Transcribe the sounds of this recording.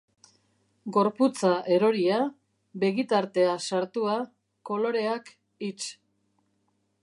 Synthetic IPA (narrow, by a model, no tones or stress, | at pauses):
ɡo̞ɾput͡saʔe̞ɾo̞ɾia | be̞ɣit̪aɾt̪e̞asaɾt̪ua | ko̞lo̞ɾe̞ak | it͡ʃ